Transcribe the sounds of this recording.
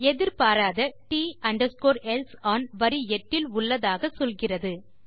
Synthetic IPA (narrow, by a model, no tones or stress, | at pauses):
ɛðɪɾpaːɾaːðɐʈiːɐɳɖɐskoːɾɛlsaːnʋɐɾiɛʈːɪlʊɭːɐðaːɣɐsɔlɣɪrɐðɯ